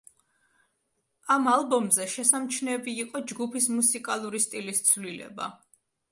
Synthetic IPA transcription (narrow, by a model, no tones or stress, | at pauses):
amalˠbɔmzɛʃɛsamt͡ʃʰnɛːbiːqʼɔd͡ʒɡupʰismusikʼalˠuɾist̪ʼilist̪sʰvlilɛ̰ba̰